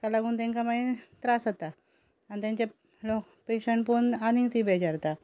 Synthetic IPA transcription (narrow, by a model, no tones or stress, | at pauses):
kalaɡuːnt̪ɛ̃ŋkamait̪ɾasat̪a | anit̪ãɲt͡ɕa | lok | peɕəɳʈpunaniŋt̪ibʱed͡ʑaɾt̪a